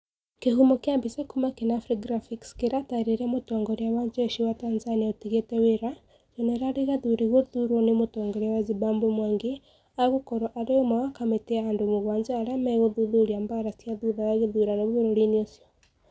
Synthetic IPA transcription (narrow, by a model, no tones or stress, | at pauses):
keɦumokjambisekumakenafɾiɡɾafikskeɾataiɾeɾamotɔːŋɡoɾjaβaɲd͡ʒeʃiwatanzaniaotiɣeteweɾa | z̥oneɾaɾiɣaðuɾeɣoðuɾwonemotɔːŋɡɔɾawazibaːmbomwaːŋɡe | aɣokoɾoʔaɾemawakameteaːndomoɣwaːɲd͡ʒaːɾamaɣoðuðuɾiambaɾasiaðuðawaɣeðuɾanoβuβeɾoɾiniosjo